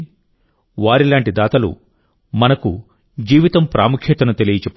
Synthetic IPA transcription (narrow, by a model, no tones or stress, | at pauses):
ʋaːɾilaːɳʈid̪aːt̪ɐlṵ | mɐnɐkṵ | d͡ʒiːʋit̪ɐmpɾʔaːmukʰjɐt̪ɐnut̪elijɐt͡ʃepː